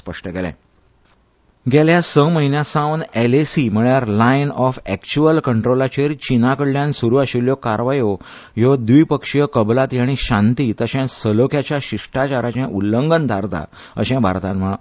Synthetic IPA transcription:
spəʂʈəkɛlɛ̰̃ | ɡɛljasəməɦinjasãwnelesim̤əɭjaɾlajnɔfɛkt͡ɕuəlkəɳʈɾolat͡ɕeɾt͡ɕinakəɽljãnsuɾuaɕiljokaɾʋajo | jɔd̪ʋipəkʂjəkəblat̪jaɽ̃iɕãnt̪iːt̪əɕɛ̃səlokʰjat͡ɕjaɕiʂʈat͡ɕaɾat͡ɕɛ̃ʔulːəŋɡənt̪ʰaɾt̪a̰ | ə̰ɕɛ̃bʱa̰ɾt̪ãnm̤ə

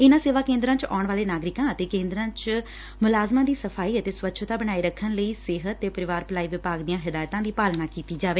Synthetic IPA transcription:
ɪnãːseːʋaːkẽːnd̪ɾãːt͡ʃa̰ːʊɳʋaːleːnaːɡɾɪkãːət̪eːkẽːnd̪ɾãːt͡ʃ | mʊlaːzmãːd̪iːsəpʰaːiːət̪eːsʋətːʃʰt̪aːbənaːiːɾəkʰːənləiːsɪɦət̪ːeːpəɾɪʋaːɾpəlaːiːʋɪpaːɡd̪ijãːɦɪd̪aːjt̪ãːd̪iːpaːlnaːkiːt̪iːd͡ʒaːʋeː

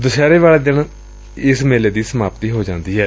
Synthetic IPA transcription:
d̪ʊʃɛːɾeːʋaːleːd̪ɪn | ɪsmeːleːd̪iːsəmaːpt̪iːɦoːd͡ʒãːnd̪iːɦɛː

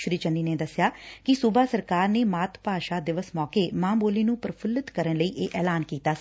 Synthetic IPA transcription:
ʃɾiːt͡ʃəniːneːd̪əsɪjaːkɪsʊbaːsəɾkaːɾneːmaːt̪ʰpaːʃaːd̪ɪʋəsmɔːkeːmãːboːliːnũːpəɾpʰələt̪kəɾənləiːʔeːʔɛːlaːnkiːt̪aː

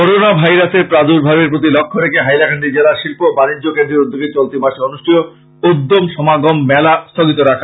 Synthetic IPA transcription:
koɾonabʱajɾaseɾpɾad̪uɾbʱabeɾpɾot̪̬ilɔkʰːoɾekʰeɦajlakʰaɳɖid͡ʑelaɾʃilpobanid͡ʑːokend̪ɾeɾud̪ʱːoɡeɾt͡ɕolt̪imaʃeonuʃʈʰijo | ud̪ːomʃɔmaɡomːɛlast̪ʰoɡit̪oɾakʰa

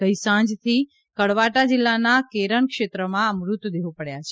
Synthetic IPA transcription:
ɡəjsãnd͡ʒt̪ʰi | kəɽʋaʈad͡ʒilːanakeɾəɳkʃet̪ɾəmãəmɾut̪d̪eʋupəɽjat͡ʃʰe

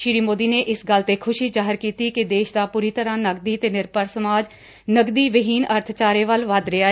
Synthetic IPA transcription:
ʃɪɾiːmoːd̪iːneːʔɪsɡəlt̪ekʰʊʃiːd͡ʒaːɦəɾkiːt̪iːkɪd̪eːʃd̪aːpuːɾit̪əɾãːnəɡd̪iːt̪eːnɪɾpəɾsəmaːd͡ʒ | nəɡd̪iːʋəɦiːnəɾt̪ʰt͡ʃaːɾeːʋəlʋəd̪ɾɪaː

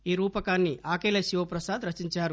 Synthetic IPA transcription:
iːɾuːpɐkaːnːiʔaːkeːlɐʃiʋɐpɾɐsaːd̪ɾɐt͡ʃiɲt͡ʃaːɾu

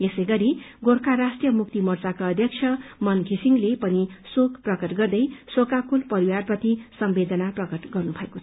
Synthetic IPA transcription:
esʌjɡʌɾiɡorkarasʈrijʌmuk̚t̪imʌrt͡sakaʌd̪ʱjʌk̚t͡ʃʰʌmʌnɡʱisiŋlepʌnisokprʌkʌʈɡʌrd̪ʌjsokakulpʌɾiwarpʌt̪isʌmbed̪ʌnaprʌkʌʈɡʌrnubʱʌekot͡sʰʌ̥

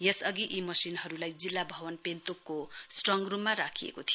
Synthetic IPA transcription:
jesʌɡiʔimʌsinɦʌɾulajd͡zilːabʱʌwʌnpent̪okːosʈrʌŋɡrumaɾakʰijḛkot̪ʰijo

